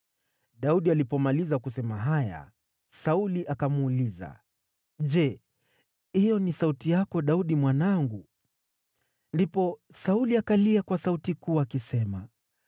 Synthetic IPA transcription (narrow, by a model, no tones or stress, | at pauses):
ɗauɗialipɔmalizakusɛmaɦaja̰ | sauliʔakamuːliza̰ | ʄɛ | hijɔnisautijakɔɗauɗimwanaŋɡu | ndipɔsauliakaliakwasautikuːakisɛma